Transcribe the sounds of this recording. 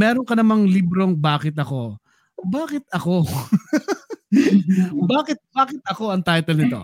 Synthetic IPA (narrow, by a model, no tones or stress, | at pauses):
mɛːɾoŋkɐnɐmɐŋlibɾoŋbaːkɪt̪ɐko̞ | baːkɪt̪̚ɐko̞ | baːkɪt̪̚baːkɪt̪̚ʔɐko̞ɐŋt̪ajt̪ɛlnɪt̪o̞̰